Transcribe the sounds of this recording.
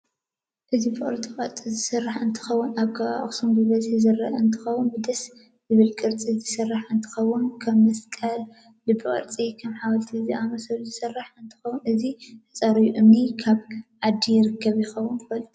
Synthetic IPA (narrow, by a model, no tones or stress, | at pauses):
ʔɨzibɨχʼɨ̰ɾt͡sʼiχʼɐɾt͡sʼizɨsɨrːaħɨnt̪ʰɨ̥xɐwʊnaβɡʰaβa̰χʼsumbɨβɐzizɨrːɐ̰ʔɐɨnt̪ʰɨ̥xɐwʊnbɨd̪ɐs | zɨβɨlkʼɨɾt͡sʼizɨsɨrːaħɨnt̪ʰɨ̥xɐwʊnkʰɐβmɐskʼɐl | lɨbːɨkʼɐ̰ɾt͡sʼikʰɐmħawɐlt̪ʰiziʔamɐsɐluzɨsɐrːaħɨnt̪ʰɨ̥xɐwːunɨzit̪ʰɐt͡sʼaɾɨjuʔɨmnikʰaβʕad̪ːijɪɾɨkʰːɐβjɪxɐwːʊnt̪ɨfɐl